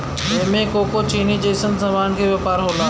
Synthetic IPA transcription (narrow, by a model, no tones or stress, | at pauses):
ɐɦmẽkoːkot͡ɕiːnid͡ʑeːsənsãʋaːnkʰeːʋjepaːɾɦoːlaː